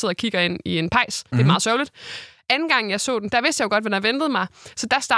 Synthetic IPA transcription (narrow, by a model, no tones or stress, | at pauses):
e̝ð̰ˠɒ̽kʰiɡ̥ɐe̝n̰ie̝npʰɑ̈ɪ̰sd̥e̝mɑð̩ˠsɶɐʊlid̥ | ʔænn̩ɡ̥ɑ̈ŋ̰̩jɑ̈ɪsɔ̰̽ːden̩d̥æ̈ʋe̝sd̥jɑ̈ʊɡ̥ɒ̽d̥ʋænɑʋend̥ð̩ˠmɑ̈ɪsɒ̽d̥æsd̥ɑː